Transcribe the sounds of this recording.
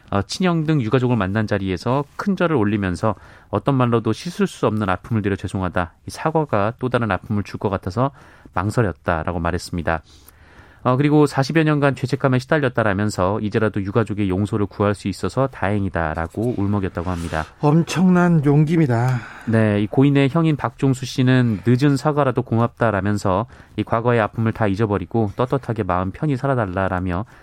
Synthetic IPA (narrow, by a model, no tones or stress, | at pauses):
ʌt͡ɕʰiɲʌŋdɯŋjuɡad͡ʑoɡɯɭmanːand͡ʑaɾie̞sʰʌkʰɯnd͡ʑʌɾɯɾoɭːimjʌnsʰʌʌt͈ʌnmaɭːodoɕʰisʰuɭs͈uʌmnɯna̰pʰɯmɯɭdweɾjʌt͡ɕwe̞sʰoŋɦadaisʰaɡwaɡat͈odaɾɯnapʰɯmɯɭt͡ɕʰuɭk͈ʌk͈atʰʌsʰʌ | maŋsʰʌɾjʌt̚t͈a̰ɾʔa̰ɡomaɾɦe̞s͈ɯmɲida | ʌk̬ɯɾiɡosʰaɕʰibjʌɲʌnɡant͡ɕʰwe̞t͡ɕʰe̞k͈ʰameɕʰidaʎːʌt̚t͈aɾamjʌnsʰʌid͡ʑe̞ɾadojuɡad͡ʑoɡe̞joŋsʰoɾɯɭkuɦaɭs͈uis͈ʌsʰʌtaɦeŋida̰ɾa̰ɡouɭmʌɡjʌt̚t͈aɡohamɲida̰ʌmt͡ɕʰʌŋnanjoŋɡimidane̞ikoine̞çjʌŋinpak̚t͡ɕ͈oŋsʰuɕ͈inɯnːɯd͡ʑɯnsʰaɡaɾadokoŋap̚t͈aɾamjʌnsʰʌikwaɡʌe̞apʰɯmɯɭtaid͡ʑʌbʌɾiɡ̥ot͈ʌt͈ʌtʰaɡe̞maɯnpʰjʌɲisʰaɾadaɭːaɾamjʌ